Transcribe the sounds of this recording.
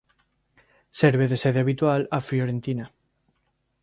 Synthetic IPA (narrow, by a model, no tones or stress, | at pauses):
seɾβeðeseðeaβit̪walafljoɾent̪ina